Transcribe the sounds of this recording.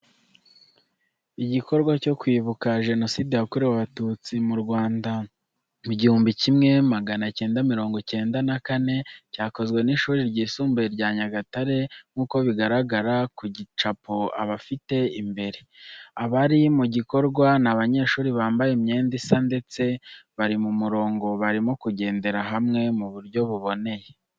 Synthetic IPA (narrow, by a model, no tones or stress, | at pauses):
iɟiko̞ɾɡwaco̞kwiːβukaʒe̞no̞siːdejakuɾeβaβatut͡simuɾɡwaːnda | muɟihuːmbicimŋe̞maɡanace̞ːndamiɾo̞ːŋɡo̞ce̞ːndanakane̞caːko̞zɡwe̞niʃuːɾiɾɟiːsuːmbeɾɟaːɲaɡataɾe̞ŋ̥uːko̞βiɡaɾaɡaɾakuɟit͡ʃapoa̰βafite̞imbe̞ɾeaβaɾimuɟiko̞ɾɡwanaβaɲe̞ːʃuːɾiβaːmbajemɲe̞ːndisande̞t͡se̞βaɾimumuɾo̞ːŋɡo̞βaɾimokuɟe̞ːnde̞ɾaɦamŋe̞muβuɾɟo̞βuβo̞ne̞je̞